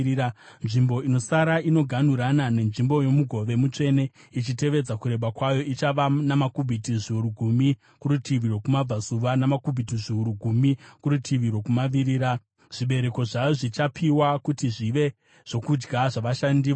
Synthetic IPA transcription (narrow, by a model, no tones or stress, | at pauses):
nʐimbo̞ino̞saɾaino̞ɡʱan̤uɾanane̞nʐimbo̞jo̞muɡʱo̞ʋe̞mut͡ʂe̞ne̞ | it͡ʃite̞ʋe̞d͡zakuɾe̞ɓakwajo̞it͡ʃaʋanamakubʱitiʐiuɾuɡʱumi | kuɾutʰiʋiɾo̞kumab͡vasuʋanamakubʱitiʐiuɾuɡʱumikuɾutʰiʋiɾo̞kumaʋiɾiːɾa | ʐ̥iɓe̞ɾe̞ko̞ʐajo̞ʐit͡ʃapʰiwakutiʐiʋe̞ | ʐ̥o̞kud͡ʒɡaʐaʋaʃandiː